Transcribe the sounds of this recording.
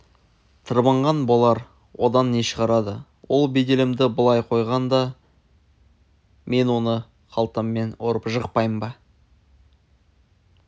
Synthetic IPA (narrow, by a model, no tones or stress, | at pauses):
t̪ʰəɾbɑɴʁɑnbolˠɑɾ | wʔo̞d̪ɑnːe̞ʃəʁɑɾɑd̪ə | wo̞lˠbed̪e̞lɪmd̪ɪbʊlˠɑjqʰo̞jʁɑnd̪ɑ | me̞nwo̞nə | qʰɑlˠt̪əmːe̞noɾəpʒəqpɑjmbɑ